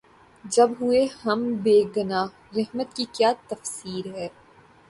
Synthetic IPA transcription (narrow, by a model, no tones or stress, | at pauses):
d͡ʒɐbɦʊehɐmbeːɡɐnaː | ɾɐɦmət̪̚kikjaːt̪ɐfsiːɾɦɛː